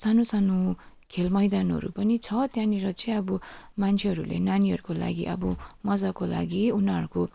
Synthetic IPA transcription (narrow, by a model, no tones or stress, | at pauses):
sanosano | kʰelmʌjd̪anʌ̰ɾṵpʌnit͡sʰʌt̪jãniɾʌt͡sʰiʌbumant͡sʰeɦʌɾulḛnaniɦʌɾukola̰ɡḭʔʌ̰bʌmʌd͡zakola̰ɡiunʌɾuko